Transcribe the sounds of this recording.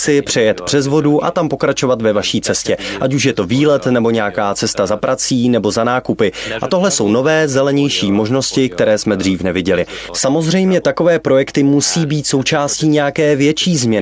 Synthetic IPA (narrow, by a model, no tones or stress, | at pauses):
t͡sɪpr̥ɛjɛt̪pr̝̥ɛzvo̞duʔa̰t̪ampo̞kɾat͡ʃo̞vat̪vɛvaʃiːt͡sɛscɛʔacuʃ̬jɛt̪o̞viːlɛt̪nɛbo̞ɲɛjakaːt͡sɛst̪azapɾat͡siːnɛbo̞zanaːkupɪʔa̰t̪o̞ɦlɛso̞wno̞vɛːzɛlɛɲɛjʃiːmo̞ʒno̞scɪk̚t̪ɛɾɛːsmɛd̪riːfnɛvɪɟɛlɪ | samo̞zr̝ɛjmɲɛt̪ako̞vɛːpɾo̞jɛkt̪ɪmusiːbiːt̪so̞wt͡ʃaːsciːɲɛjakɛːvjɛt͡ʃiːzmɲɛ